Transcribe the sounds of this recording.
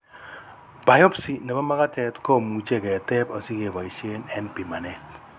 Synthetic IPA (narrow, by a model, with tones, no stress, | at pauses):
b̥a˨jɔ˦psi˨na˨ba˦ma˦ka˦tɛ˨tko˦mu˨t͡ʃe˦kɛ˨tɛ˦pɔ˨si˦ke˨ba˨i˨ʃe˦nɛ˦npi˨ma˨nɛt